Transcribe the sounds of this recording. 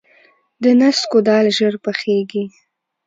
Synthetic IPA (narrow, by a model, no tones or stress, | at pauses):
d̪ənaskod̪ɑlʒəɾpəxeɡi